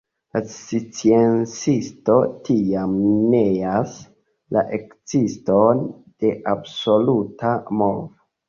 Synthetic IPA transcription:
lasit͡sient͡sisto̞tijamneas | la̰ʔe̞kt͡siston | d̥e̞ʔabso̞lutʰamovo

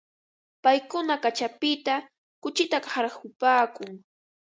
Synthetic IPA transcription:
pajkʊnakat͡ʃapɪt̪a | kʊt͡ʃɪt̪akhaɾxʊpaːkʊŋ

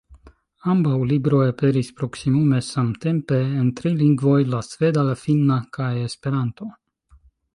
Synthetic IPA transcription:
ambawlibɾo̞jape̞ɾispɾo̞ksimume̞samt̪e̞mpe̞ːnt̪ɾiliŋɡvo̞jlasfe̞d̪alafinːakajespe̞ɾant̪o̞

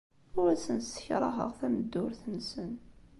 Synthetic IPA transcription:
ʊɾæsənsə̥çɾˤɑɦə̰ʁθæməd̪ːʊɾθənsən

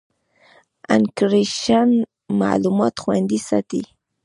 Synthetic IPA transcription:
a̰nkɾiʃan | ma̰lumot̪χwend̪isa̰t̪i

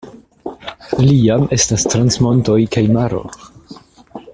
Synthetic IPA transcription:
liame̞stastɾansmo̞nto̞jkajmaɾo̞̰

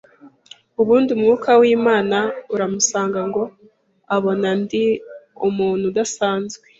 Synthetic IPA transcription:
uβuːndiumuukʰawiːmaːnauɾamusaːŋɡaŋɡo̞ | aβo̞nandiumuːn̥hudasaːnzɡwe

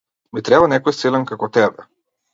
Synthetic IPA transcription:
mit̪ɾɛbanɛkɔjsilɛnkakɔt̪ɛbɛ

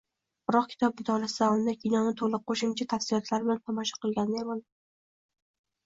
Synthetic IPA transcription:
b̥ɾɒqkʰʲɪ̥t̪ʰɒp̚bɪt̪ʰɒlasɪd̪aɒlˠd̪akʲʰinɒnɪt̪ʰolˠɪqʰoʃɪmt͡ʃʰat̪ʰafsɪlɒt̪ʰlaɾbɪlant̪ʰɒmɒʃḁqɨlˠɡʲand̪aemal

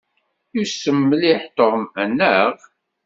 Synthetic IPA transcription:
usəmːliħt̪oʁmənːəʁ

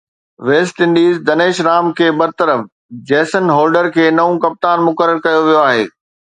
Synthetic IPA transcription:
ʋeːsʈɪ̃nɖiːzd̪ɐneːʃɾaːmkʰeːbɐɾt̪əɾəf | d͡ʑɛːsənɦɔːlɖəɾkʰeːnɐũkɐp̚t̪aːnmʊkəɾəɾkɐjoʋijoaːɦeː

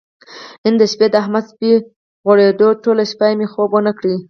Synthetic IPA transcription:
ɪnd̪əʃped̪əaɦmad̪spi | ɣwaɽed̪oʈolaʃpajmexobwənəkɽi

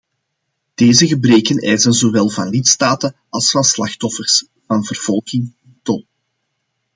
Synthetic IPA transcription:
d̥eːzəɣəbreːkənɛjzənzowɛlˠvɑnlitstaːtən | ɑlˠsfɑnslɑxtɔfərs | vɑnvərv̥ɔlˠɣɪŋɛntɔl

